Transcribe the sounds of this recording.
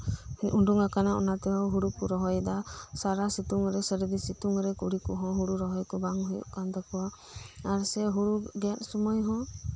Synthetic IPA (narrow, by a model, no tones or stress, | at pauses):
ɲuɳɖuŋakanaʔɔ̰nat̪ɛwawɦuɽukuɾɔɦɔjd̪asaɾasit̪uŋɾɛsəɾd̪isit̪uŋɾɛkuɽikɔɦɔ̃ɦuɽuɾɔɦɔjkɔbaŋɦujṵʔkand̪ɔkɔwa | aɾsɛɦuɽuɡat̪̚ˀsumɔjɦɔ̃